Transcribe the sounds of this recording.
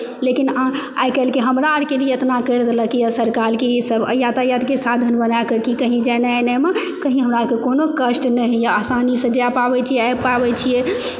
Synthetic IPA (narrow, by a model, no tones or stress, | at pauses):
lekinã | a̰jkɛlkeɦəmɾaəɾkelijeət̪nakəɾd̪ləkijasəɾkalkiisəbə̰jat̪ajad̪kesad̪ʱənbənakəkikəɦĩd͡ʒananɛmekəɦĩɦəmɾaəɾkekonokəsʈnɛɦjaasanisə̃d͡ʒapabɛt͡ʃʰijɛajpabɛt͡ʃʰijɛ